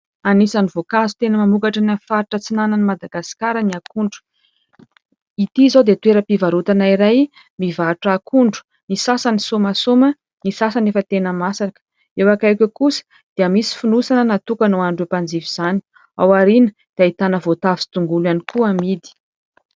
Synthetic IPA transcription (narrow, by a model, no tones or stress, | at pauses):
anisanivokazut̪enəmamukaʈ͡ʂanafaɾiʈ͡ʂət͡sinanənimad̪aɡasi̥kaɾəniakuɳɖ͡ʐu̥ | it̪izod̪et̪weɾəpivaɾut̪anaiɾaj | mivaʈ͡ʂakʰuɳɖ͡ʐu̥ | nisasanisumasumə | nisasanefət̪enəmasaɾakə̥ | ewakajkʲekusə̥ | d̪̥eəmisi̥funusanənat̪ukanoanɖ͡ʐepand͡ziviz̥ani̥ | a̰waɾinə̥ | d̪̥iait̪anəvot̪avi̥si̥t̪uŋɡulanikuamid̪i̥